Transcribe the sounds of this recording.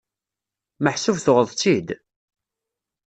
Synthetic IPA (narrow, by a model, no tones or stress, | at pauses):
məħsuvθoʁəðˤt͡sːid̪